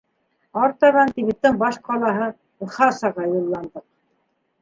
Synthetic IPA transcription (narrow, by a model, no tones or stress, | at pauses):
ɑɾt̪ɑʁɑnt̪iβɘt̪ːɘɴbɑʃqɑlˠɑɦɤ̆ | χɑsɑʁɑjulˠːɑnd̪ɤq̚